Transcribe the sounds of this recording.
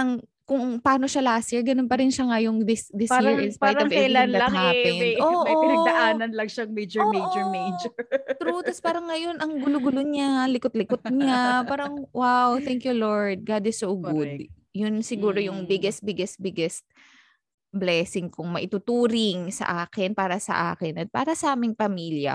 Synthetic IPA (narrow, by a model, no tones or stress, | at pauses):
ʔɐŋ | kʊŋpɐaːno̞ʃalaːsɛɹɡɐnonpɐɾɪnʃɐŋɐjʊŋd̪ɪsd̪ɪspaːjɹʔɪ̃nspaɾɐovɛjlanlɐhaːpɛʔoːʔɐoɐɐɐʔaːnɐnlɐŋʃɐŋmejd͡ʒɛɹmejd͡ʒɛmejd͡ʒt̪ɾut̪ɐspaːɾɐŋːɐjo̞nʔɐŋɡʊloɡʊloɲalɪkot̪̚lɪkot̪̚ɲapaːɾɐŋwawθɛŋkjuloɹd̪̚ɡad̪ɪsowɡʊd̪̚ | jʊnsɪɡuːɾojʊŋbɪɡɛs̚bɪɡɛs̚bɪɡɛst̪̚ | blɛːsɪŋkʊŋmɐʔɪt̪ut̪uːɾɪŋsɐ̰ʔaːkɪnpaːɾɐsɐ̰ʔa̰ːkɪnɐt̪̚pa̰ːɾɐsɐʔaːmɪŋpɐmiːljɐ̰